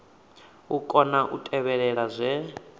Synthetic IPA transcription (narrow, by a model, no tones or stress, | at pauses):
ukʼɔnaʔutʼɛβɛɺɛɺazʷɛ